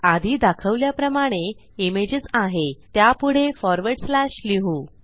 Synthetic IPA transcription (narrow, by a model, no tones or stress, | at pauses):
ad̪ʱiːd̪akʰəʋljapɾəmaɽ̃e | imed͡ʑət͡saɦet̪japuɽ̤efɔɾʋəɾɽslaɕliɦuː